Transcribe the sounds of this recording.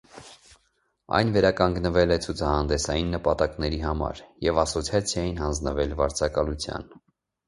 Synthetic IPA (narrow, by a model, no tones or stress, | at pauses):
ɑ̰jnvɛɾɑkɑŋɡnəvɛlɛt͡sʰut͡sʰɑhɑnd̪ɛsɑjinːəpɑt̪ɑknɛɾiɦɑmɑ̰ɾjɛvɑsɔt͡sʰjɑt͡sʰjɑjinɦɑnd͡znəvɛlvɑɾt͡sʰɑkɑlut͡sʰjɑ̰n